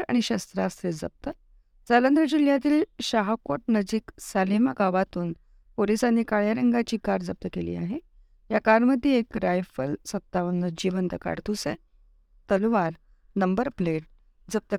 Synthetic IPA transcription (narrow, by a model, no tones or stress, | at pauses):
ɾa̰ɽ̃iɕast̪ɾast̪ɾed͡zə̰p̚t̪ə | d͡zalənd̪ɾəd͡ʑiljat̪̬iːlɕaɦakoʈ̚nəd͡ʑiːksalemaɡaʋat̪uːn | polisanːiːkaɭjaɾəŋɡat͡ɕiːkaɾd͡zəp̚t̪əkelḭːa̰ɦe | jakaɾməd̪ʱːjeekɾajfəlsəp̚t̪aʋənəd͡ʑiʋənt̪əka̰ɾt̪usḛ̃ | t̪əlʋaɾ | nəmbəɾpleʈ̚ | d͡zəp̚t̪ə